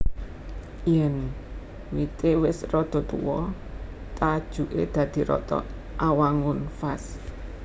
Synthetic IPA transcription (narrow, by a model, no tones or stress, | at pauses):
jɛn | wit̪ewɪsrɔd̪̥ɔ̤t̪ṵwɔ | t̪ad̥ʒ̥ṳʔḛd̪̥ä̤d̪̥i̤ɾɔ̰t̪ɔ̰ | ʔawaŋʊnfas